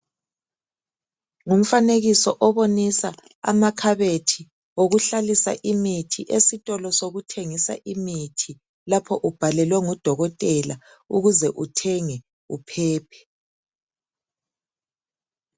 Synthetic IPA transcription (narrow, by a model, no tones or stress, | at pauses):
ŋum̩faneɣisɔʔɔβonisa | a̰makʰaβetʰi | oɣuɬalisa̰ʔimitʰiʔesitʼɔlɔsoɣutʰeŋisa̰ʔimitʰi | lapʰɔʔub̥ʱalɛlwɛŋɔd̥ʱɔɣɔtʼɛla | uɣuzɛʔutʰɛŋɛ | upʰɛːpʰɛ̥